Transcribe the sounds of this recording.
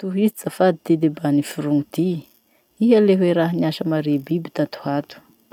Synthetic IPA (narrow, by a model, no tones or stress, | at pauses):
t̪uɦizit͡safad̪id̪ed̪ebanifuɾuŋid̪i | iɦaleɦweɾaɦniaʃəmaɾebibit̪at̪u̥hat̪u̥